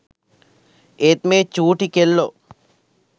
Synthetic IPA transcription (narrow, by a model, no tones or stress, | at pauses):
et̪mẽt͡ʃuːʈikelːo